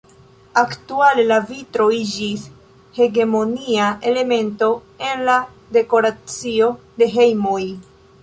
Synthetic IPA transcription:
aktualelavitɾo̞id͡ʒis | he̞ɡe̞mo̞niaʔe̞le̞me̞nto̞ | e̞nla | de̞ko̞ɾat͡sio̞ | de̞ɦe̞jmoj

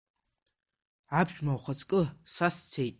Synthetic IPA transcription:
ʕabʰʃᶣmawχat͡sʼkʼɨsast͡sʰejtʼ

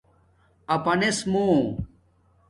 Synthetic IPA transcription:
ɐpɐnesmo

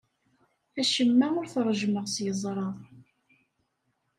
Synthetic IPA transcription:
æʃəmːæʊɾθɾˤːʒməʁsjəzˤɾˤɑðˤ

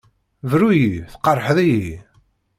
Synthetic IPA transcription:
vɾujifθə̥qɑrˤːħəðiji

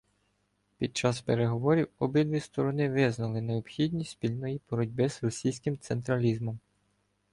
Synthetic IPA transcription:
pʲid̪̚t͡ʃɑspeɾe̞ɦɔʋɔɾʲiwɔbɪd̪ʋʲist̪ɔɾɔnɪʋɪznɐlˠɪne̞ɔpxʲid̪ʲnʲisʲpʲilʲnɔjibɔɾɔdʲbɪzrɔsʲijsʲkɪmt̪sent̪ɾɐlʲizmɔm

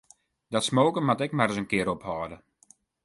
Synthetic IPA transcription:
dɔtsmoːkəmatɛkmɛrəsənkɪəɾophɔːdə

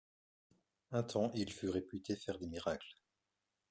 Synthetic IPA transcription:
ɛ̃t̪ʰɑ̃ʔilfyʁepyt̪ʰefɛʁd̪emiʁakl

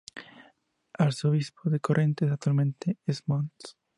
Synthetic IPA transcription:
aɾsoβispoðekorʔẽnt̪es̬ak̚t̪walmẽnt̪eezmõns

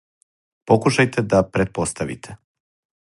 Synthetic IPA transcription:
po̞kuʃajt̪ed̪apɾet̪̚po̞st̪aʋḭt̪ʰe

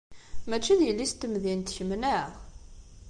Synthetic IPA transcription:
mæt͡ʃːiðjəlːist̪ːəmðint̪çəmnæʁ

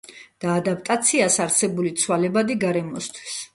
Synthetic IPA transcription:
d̪̥aːd̪apʼt̪ʼat̪sʰiasaɾsɛbulit̪sʰwalɛbad̪iɡaɾɛmɔst̪ʰwi̥s

